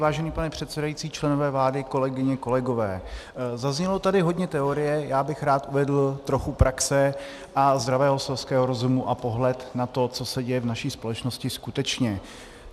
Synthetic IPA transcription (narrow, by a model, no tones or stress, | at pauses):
vaːʒɛniːpanɛpr̝̥ɛt̪sɛdajit͡siːt͡ʃlɛno̞vɛːvlaːdɪko̞lɛɡɪɲɛko̞lɛɡo̞vɛːzazɲɛlo̞t̪adɪɦo̞dɲɛt̪ɛo̞ɾɪjɛjaːbɪxɾaːt̪ʔuvɛdl̩t̪ɾo̞xupɾʔaksɛ | ʔazd̪ɾavɛːɦosɛlskɛːɦoɾo̞zumuʔapo̞ɦlɛt̪nat̪o̞t͡so̞sɛɟɛjɛvnaʃiːspo̞lɛt͡ʃnoscɪskut̪ɛt͡ʃɲɛ